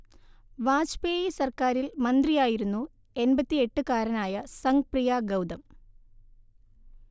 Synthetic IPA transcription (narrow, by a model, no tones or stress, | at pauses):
ʋaːd͡ʑpeːjisɐrkaːɾilmɐnd̪rijaːjiɾunːu | e̞nbɐt̪ːie̞ʈːɨkaːɾɐnaːjɐsɐŋɡprijaːɡɐwd̪ɐm